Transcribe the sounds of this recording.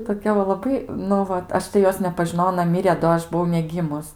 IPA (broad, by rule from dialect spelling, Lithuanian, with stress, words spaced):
toːˈkʲɛ ʋɐ lˠɐˈbɐɪ nʊ ˈʋɐt ˈɐʃ tɐɪ ˈjoːs nʲɛpɐʒʲɪˈnoːjɛʊ ɐˈnɐ ˈmʲɪrʲeː doː ˈɐʃ bʊˈʋɐʊ nʲɛˈɡʲiːmʊs